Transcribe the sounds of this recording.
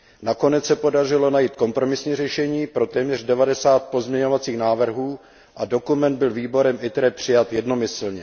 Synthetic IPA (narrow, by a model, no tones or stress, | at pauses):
nako̞nɛt͡ssɛpo̞dar̝ɪlo̞najiːt̪̚ko̞mpɾo̞mɪsɲiːrɛʃɛɲiːpɾo̞t̪ɛːmɲɛr̝dɛvadɛsaːt̪̚po̞zmɲɛɲo̞vat͡siːxnaːvr̩ɦuː | ʔado̞kumɛnd̪̚bɪlviːbo̞ɾɛmʔɪt̪ɾɛpr̝̥ɪjat̪jɛdno̞mɪsl̩ɲɛ